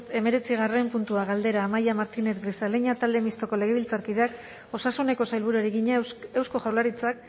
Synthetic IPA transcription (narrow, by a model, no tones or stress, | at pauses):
t̪e̞me̞ɾe̞t͡siɣ̞are̞mpunt̪uaɣald̪e̞ɾaːmajamaɾt̪ine̞t̪ɡɾisaleɲat̪ald̪emist̪o̞ko̞le̞ɣ̞e̞βilt͡saɾkið̞e̞ak | o̞sasune̞ko̞sajlβuɾuaɾiɣiɲaewsko̞ʝawlaɾit͡sak